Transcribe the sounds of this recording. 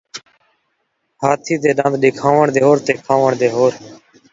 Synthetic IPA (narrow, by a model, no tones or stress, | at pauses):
haːt̪ʰiːd̪eːɗãːnd̪ɗɪkʰãːʋəɳd̪eːɦoːɾt̪eːkʰãːʋəɳd̪eːɦoːɾ